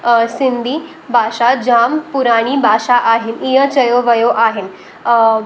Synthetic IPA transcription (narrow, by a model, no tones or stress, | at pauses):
sind̪ʱiː | bʱaʂad͡ʑampuɾaɽ̃ibʱaʂaʔaɦinijət͡ɕəjoʋəjoʔaɦen